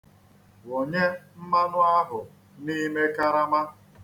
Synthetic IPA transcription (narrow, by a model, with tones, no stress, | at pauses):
wo˨ɲe˦m̩˦ma˦nʊ˦a˦ɦʊ˨ | ni˦me˦ka˦ɾa˦ma˦